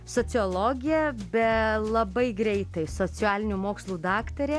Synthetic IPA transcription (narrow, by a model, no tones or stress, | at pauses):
soːt͡s̪ʲɪoːlˠoːɡʲɪjɛbʲɛlˠɐbɐɪɡɾʲɛɪt̪ɐɪsoːt͡s̪ʲɪæːlʲɪnʲuːmoːkslˠuːd̪ɑːkt̪ɐɾʲeː